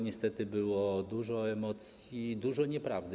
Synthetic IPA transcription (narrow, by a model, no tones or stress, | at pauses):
ɲɛst̪ɛt̪ɘbɘwɔd̪uʐɔɛmɔt̪sʲjid̪uʐɔɲɛpɾavd̪ɘ